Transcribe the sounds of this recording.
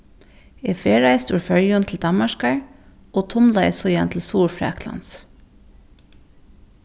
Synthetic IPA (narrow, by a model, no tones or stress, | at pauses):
eːfeːɹæɪst̪ʉːɹfœɹjʊnt̪ʰl̩d̪ɑmaʃkaɹ | oːt̪ʰʊmlɑɪsɔjɛnt̪ʰl̩suːɹfɹɛ̰ːklɑ̰ns